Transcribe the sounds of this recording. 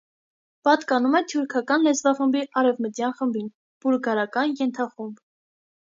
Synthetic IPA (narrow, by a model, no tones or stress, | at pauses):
pɑt̪kɑnumɛt̪ʰjuɾkʰɑkɑnlɛt͡svɑχəmbiʔɑɾɛvmət̪jɑnχəmbin | b̥uɾɡɑɾɑkɑnjɛnt̪ʰɑχumb